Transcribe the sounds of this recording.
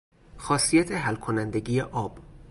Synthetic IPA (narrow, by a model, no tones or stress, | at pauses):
xɒːsijæt̪ʰeɦælkʰonænd̪e̞ɟiːjeʔɒːb̥